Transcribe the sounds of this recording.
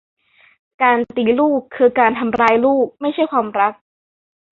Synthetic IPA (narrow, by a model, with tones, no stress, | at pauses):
kaː˧nt̪iː˧˩luː˥˩kʰːɯː˧kaː˧nt̪ʰa˧mɾaː˧jluː˥˩k̚ma˥˩jt͡ɕʰa˥˩jkʰwaː˧mɾa˦˥k̚